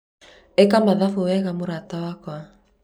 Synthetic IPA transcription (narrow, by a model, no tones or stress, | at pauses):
ekamaðafuβɛɣamuɾat̪awakoa